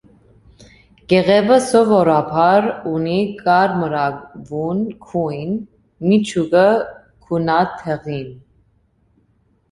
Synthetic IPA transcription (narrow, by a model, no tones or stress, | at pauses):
ɡ̥ɛʁɛvəsɔvɔɾɑpʰɑɾunikɑɾməɾɑvunkʰujn | mit͡ʃʰuɡə | kʰunɑt̪ʰɛʁin